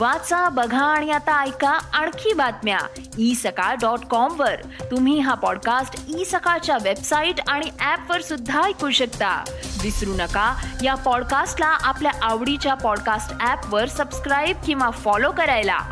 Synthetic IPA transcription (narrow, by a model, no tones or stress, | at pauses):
ʋat͡sabəɡʱãːɽ̃iat̪aːjkaaɳ̃kʰiːbat̪mja̰ | isəkaɖɔʈkɔmʋəɾ | t̪um̤iːɦapɔɽkasʈisəkat͡ɕjaʋebsaiʈaɽ̃iʔæpʋəɾsud̪ʱːajkuɕəkt̪a̰d̪isɾunəkajapɔɽkasʈlaʔapljaʔaʋɽit͡ɕjapɔɽkasʈæpʋəɾsəbskɾajb̚kĩw̃ʋafɔlokəɾajla̰